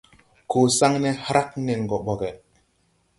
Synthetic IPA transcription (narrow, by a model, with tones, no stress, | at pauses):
koː˨sa˦ŋne˦hɾa˦k̚ne˨ŋ˨ɡo˨ɓo˨ɡɛ˨